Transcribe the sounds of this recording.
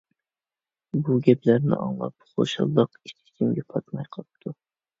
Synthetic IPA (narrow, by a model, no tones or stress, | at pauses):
buɡʲɛplæɾnɪ̰ʔɑ̰ŋlˠɑ̰p̚χo̰ʃɑ̰lˠːəqi̥t̪ʰɪ̥sʰimɡʲɛpʰɑt̪mɑjqʰɑp̚t̪ʰu